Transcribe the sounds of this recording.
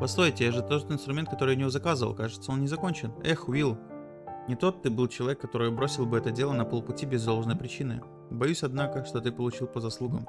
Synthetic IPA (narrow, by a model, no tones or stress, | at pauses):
pɐslˠojtʲɪjaʐɨt̪o̞t̪ɨnst̪ɾʊmʲet̪̚kɐt̪o̞ɾɨjʊnʲɪvozɐkazɨvə̰lˠkaʐɨt̪səo̞nnʲɪzɐko̞nʲt͡ɕɪnɛxvʲilˠ | nʲɪt̪o̞t̪ːɨbɨlˠt͡ɕɪlˠɐvʲekːɐt̪o̞ɾɨjʊbɾo̞sʲɪlˠbɨɛt̪ədʲe̞lˠənɐpolˠpʊtʲibʲɪzd̪o̞lˠʐnəjpɾʲɪt͡ɕinɨ̰ | bɐjusʲɐd̪nakəʂt̪o̞t̪ɨpəlˠʊt͡ɕilˠpəzɐslˠuɡə̰m